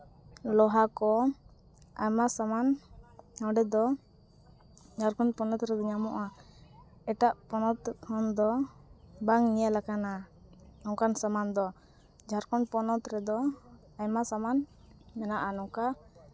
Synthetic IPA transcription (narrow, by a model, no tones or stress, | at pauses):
lɔɦakɔ | a̰jmasaman | ɔɖɛd̪ɔ | d͡ʒaɾkɔnpɔnɔt̪ɾɛd̪ɔɲamɔʔa | ɛʈaʔpɔnɔt̪ʰɔnd̪ɔ | baŋnijalakana | ɔŋkansamand̪ɔ | d͡ʒaɾkɔnpɔnɔt̪ɾɛd̪ɔ | ajmasaman | mɛnaʔanɔka